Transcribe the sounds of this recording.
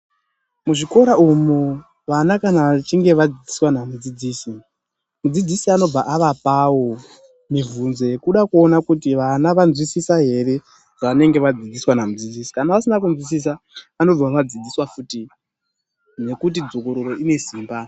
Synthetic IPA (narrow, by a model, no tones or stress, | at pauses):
muʐiko̞ɾaumu | ʋanakanaat͡ʃiŋɡe̞ʋad͡zid͡ziswanamud͡zid͡ziːsi | mud͡zid͡zisiano̞b͡vaʔaʋapawo̞ | mivunze̞kuɗakuo̞nakutiʋanaʋanzwisisaɦe̞ɾe̞ | ʐ̥aane̞ŋɡe̞ʋad͡zid͡ziswanamud͡zid͡zisi̥kanaʋasinak̬unzwis̬is̬a | ano̞b͡vaʋad͡zid͡ziswafuːti | ne̞kut̬id͡zo̞ko̞ɾoɾo̞ine̞siːmba